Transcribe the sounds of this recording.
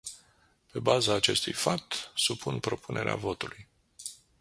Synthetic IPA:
pe̞bazaːt͡ʃe̞st̪ujfap̚t̪supʰunpɾo̞punʔe̞ɾea̰vo̞t̪uluj

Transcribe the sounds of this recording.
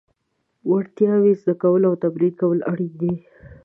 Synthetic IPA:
waɽt̪jɑwizd̪akawəlawt̪abɾiɾkawəlaɽid̪e

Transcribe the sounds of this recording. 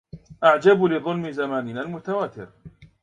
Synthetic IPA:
ʔaʕd͡ʒablɪðˤʊlmɪzamaːnɪnalmʊt̪awaːt̪ɪ̰ɾ

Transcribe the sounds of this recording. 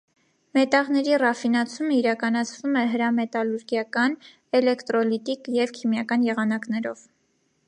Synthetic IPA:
mɛt̪ɑʁn̪ɛɾirɑfinɑt͡sʰuməiɾɑkɑnɑt͡sʰvumɛɦəɾɑmɛt̪ɑluɾɡjɑkɑn | ɛlɛkt̪ɾɔlit̪ikjɛvkʰimjɑkɑnjɛʁɑnɑknɛɾɔ̰v̥

